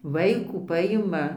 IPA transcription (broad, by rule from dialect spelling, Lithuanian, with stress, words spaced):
ʋɐɪˈkuː ˈpɑːjɪmɐ